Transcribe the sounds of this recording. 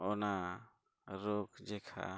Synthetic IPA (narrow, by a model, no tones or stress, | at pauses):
ɔna | ɾɔkd͡ʒɛkʰa̰